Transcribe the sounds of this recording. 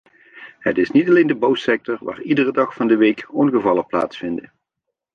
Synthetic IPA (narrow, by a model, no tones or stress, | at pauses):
hətɪsnitɑlejndəbawsɛk̚tɔɹʋa̰ːridərədɑχfɑndəʋejkɔnɣəvɑlˠəpla̰ːtsfɪndə